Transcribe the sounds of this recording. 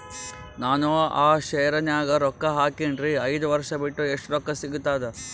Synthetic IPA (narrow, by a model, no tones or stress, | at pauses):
naːnuaːʃɛjɐɾɐnjaːɡɐɾɔkːɐɦaːkiɳɖɾiɐjd̪uʋɐɾʂɐbiʈːueʂʈɾɔkːɐsiɡut̪ːaːd̪e